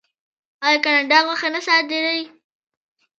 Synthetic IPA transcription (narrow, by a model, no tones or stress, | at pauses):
ɑjɑkanaɳɖɑɣwaxanasɑt̪ed̪əj